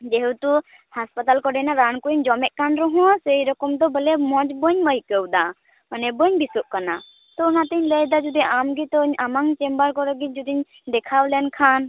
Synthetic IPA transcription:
d͡ʒeɦɛwt̪u | haspat̪alkɔɖɛnaɾankuɲd͡ʒɔmɛʔkanɾɔɦɔ̃sejɾɔkɔmd̪ɔbəlɛmɔd͡ʒbəɲməjkəwd̪a | manɛbəɲbisuʔ̚kana | t̪ɔunat̪iɲləjd̪ad͡ʒud̪iɲʔamɡit̪ɔɲamaŋt͡ʃɛmbəɾkɔɾɔɡid͡ʒud̪iɲ | d̪ɛkʰawlɛankʰan

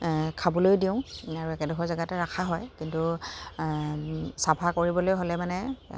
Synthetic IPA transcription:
kʰabɔlojdiʊ̃aɹuɛkɛdɔkʰɔzaɡatɛɹakʰaɦɔjkintu | sabʰʱakoɹibɔlojɦolɛmanɛ

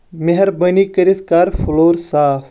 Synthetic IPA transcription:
meɦɐɾbɐnikɐɾiskaːɾfʰuloːɾsaːf

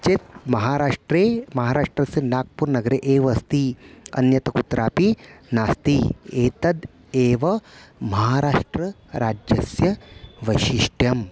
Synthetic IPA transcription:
t͡ʃet̪̚mɐɦaːɾaːʂʈɾeːmɐɦaːɾaːʂʈɾɐsɐnaːk̚puɾnɐɡɐɾeʔeːʋɐst̪iɐ̰njɐt̪ɐkut̪ɾaːpinaːst̪ieːt̪ɐd̪ | eːʋɐmɐɦaːɾaːʂʈɾɐ | ɾaːd͡ʒɐsjɐʋɐʃiʂʈjɐm

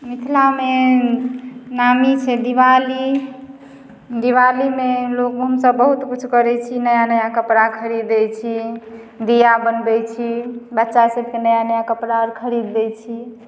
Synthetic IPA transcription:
mit̪ʰlame | namit͡ʃʰɛd̪iʋali | d̪iʋalimelokɦəmsəbːəɦut̪kut͡ʃʰkəɾɛt͡ʃʰinəjanəjakəpɾakʰəɾid̪ɛt͡ʃʰi | d̪ijabənbɛt͡ʃʰibətːʃasəb̚ʱkenəjanəjakəpɾaɾkʰəɾid̪ːɛt͡ʃʰi

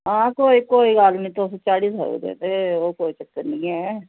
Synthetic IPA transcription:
ɦãːkoːiːkoːiːɡalnĩːt̪oːst͡ʃaːɽiːsa̰ːṵːd̪ḛ̃ːnd̪eːoːkoːiːt͡ʃəkːəɾnĩːɛː

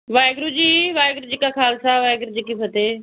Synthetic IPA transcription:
ʋaːɪɡɾud͡ʒiːʋaːjɡɾud͡ʒikakʰaːlsaːʋaːeɡɾud͡ʒikipʰət̪eː

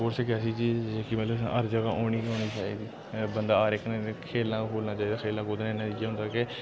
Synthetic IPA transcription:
oːɾseːkɛsiːt͡ʃiːd͡ʒekimət̪ləbə̰ɾd͡ʒəɡaːʔoːniːoːniːt͡ʃaːḭːd̪iː | bənd̪aːaːɾɪknekʰeːlãːkʰoːlnaːt͡ʃaːiːd̪aːkʰeːlãːkʊd̪nenət̪iːd͡ʒãːɦʊnd̪aːke

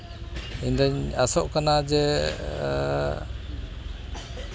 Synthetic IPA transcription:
iɲd̪aɲasɔʔkanad͡ʒɛ

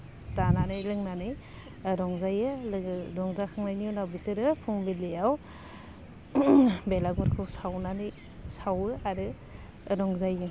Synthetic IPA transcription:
zananɯjlɯŋnanɯj | ɾɔŋzajɯlɾɔŋzakʰɯŋnajniunawbisɯɾɯpʰuŋbilejaw | belaɡuɾkʰɯwsawnanɯj | sawɯaɾɯ | ɾɔŋzajɯ

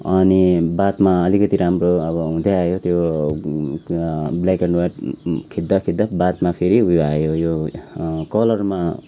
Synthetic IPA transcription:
ʌnibat̪maʌlikʌt̪iɾamroʌbʌɦũd̪aajot̪jo | blakaɳɖwaʈkʰid̪ːakʰid̪ːabat̪mapʰeɾiɦujoajojo | kʌlʌrma

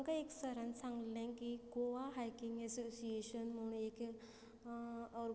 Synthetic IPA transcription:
ŋkaeksəɾənsãŋɡlẽkiɡoʋaɦajkĩŋɡɛsosieɕənm̤əɽ̃ũːek | əɾ

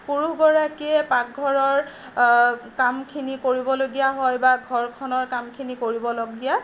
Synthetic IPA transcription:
puɹuɡɔɹakiɛpak̚ɡʱɔɹɔɹ | kamkʰinikoɹibɔloɡijaɦɔjbaɡʱɔɹkʰɔnɔɹkamkʰinikoɹibɔloɡija

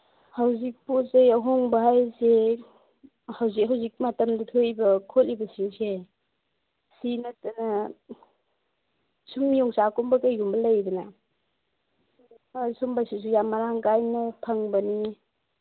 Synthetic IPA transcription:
hawzik̚potzejaɦoŋbɐɦajse | hawzik̚ɦawzik̚matɐmdɐtʰojbɐkʰotlibɐsiŋse | sinɐtɐnɐ | sumijɔŋsakumbɐkajɡumbɐlɐjdɔna | asumbasis̬ujamaɾaŋkajnɐpʰɐŋbɐni

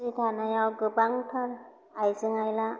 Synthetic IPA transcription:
itʰanajawɡɯbaŋtʰaɾ | ajzɯŋajla

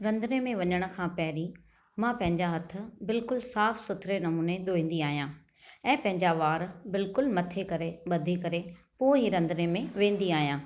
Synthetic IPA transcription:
ɾɐ̃nd̪ənemẽʋɐɲəɽ̃ʊ̆kʰãːpɐɦɪɾi | mãpɐ̃ɦɪ̃ɲd͡ʑaɦɐt̪ʰʊ̆bɪlkʊlsaːfsʊt̪ʰɾenɐmuːned̪oːĩːn̆d̪iaːɦijãː | ɛ̃ːpɐ̃ɦɪ̃ɲd͡ʑaʋaːɾbɪlkʊlmɐt̪ʰekɐɾeɓɐd̪ʱikɐɾe | poːɪɦiɾɐ̃nd̪nemẽʋẽːn̆d̪iaːɦijãː

